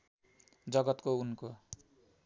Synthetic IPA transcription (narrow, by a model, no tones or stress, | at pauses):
d͡zʌɡʌt̪kounko